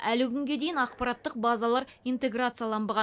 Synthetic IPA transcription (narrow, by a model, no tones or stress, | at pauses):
ælɪkʲʰʏŋɡʲe̞d̪ejɪnɑq̚pɑɾɑt̪ːəq̚bazɑlˠɑɾijnt̪e̞ɡɾat̪sɨjalˠɑmbəʁɑ